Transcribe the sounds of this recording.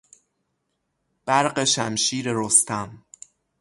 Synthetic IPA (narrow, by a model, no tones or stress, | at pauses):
b̥æɾɢeʃæmʃiːɾeɾost̪ʰæm